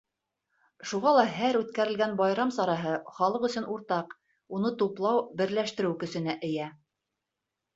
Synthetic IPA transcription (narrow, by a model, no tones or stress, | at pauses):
ʃuʁɑlˠɑɦæɾʉt̪kæɾɘ̆lɡænbɑjɾɑmsɑɾɑɦɤχɑlˠɤqɵ̆sɵnʔuɾt̪ɑq | unɤt̪uplˠɑwbɘ̆ɾlæʃt̪ɘ̆ɾɘwkɵ̆sɘ̆næʔɘ̆jæ